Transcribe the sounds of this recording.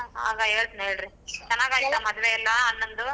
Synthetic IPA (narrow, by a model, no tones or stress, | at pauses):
a̰ːɡɐeːɭt̪ineːɭɖɾi | t͡ʃɐnːaːɡaːɡit̪ːɐmɐd̪ʋeɛlːɐːnːond̪u